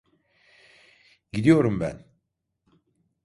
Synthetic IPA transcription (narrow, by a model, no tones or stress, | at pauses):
ɟid̪ijo̞ɾumbæ̰n